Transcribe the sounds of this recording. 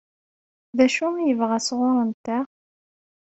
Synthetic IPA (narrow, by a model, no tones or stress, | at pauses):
ðæʃumjəvʁæsʁʊɾˤənt̪æ